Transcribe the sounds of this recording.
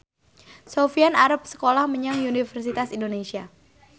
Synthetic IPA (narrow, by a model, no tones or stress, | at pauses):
sofianaɾəp̚sə̥kolahməɲaŋunifərsit̪asindonesia